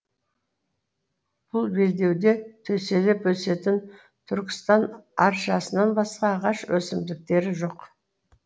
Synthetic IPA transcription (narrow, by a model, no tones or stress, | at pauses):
b̥ʊlˠbe̞ld̪e̞wd̪e̞t̪ʰɵse̞lepwɵse̞t̪ɪn | t̪ʰʏɾkʲɪ̥st̪ɑnɑɾʃʒɑsənɑnbɑsqɑːʁɑʃwɵsɪmd̪ɪk̚t̪e̞ɾɪʒo̞q